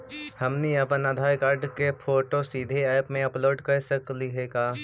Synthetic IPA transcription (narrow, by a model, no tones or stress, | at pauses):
hɐmniɐpənad̪ʱaːjkaːɾɖkepʰoːʈosiːd̪ʱeɛːpmẽɐploːɖkɐɾsəkliɦeːɡaː